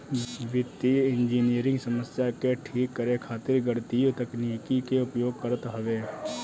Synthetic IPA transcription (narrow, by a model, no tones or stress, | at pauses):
ʋɪt̪ːiɪ̃nd͡ʒiːnijəɾɪ̃ŋɡsəməsjakeʈʰiːkːəɾekʰaːt̪ɪɾɡəɽt̪iot̪ɐkniːkikeʊpjoːɡ̚kəɾət̪ɦɐʋeː